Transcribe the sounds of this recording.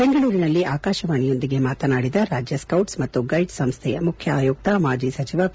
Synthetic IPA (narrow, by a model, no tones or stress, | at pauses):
beŋɡɐɭuːɾinɐlːiaːkaːʃɐʋaːnijo̞nd̪iɡe̞maːt̪ɐnaːɽid̪ɐɾaːd͡ʒjɐskɐwʈsmɐt̪ːuɡɐjɖsɐmst̪ʰɛjɐmukʰjɐaːjoːk̚t̪ɐmaːd͡ʒisɐt͡ʃiʋɐ